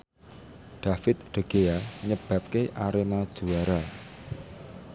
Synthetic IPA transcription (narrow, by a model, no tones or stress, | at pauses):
ɖ̪̥a̤fɪt̪̚ɖ̪̥ə̤ɡ̥eaɲəb̥a̤p̚keʔaɾemad̥ʒ̥uwaɾa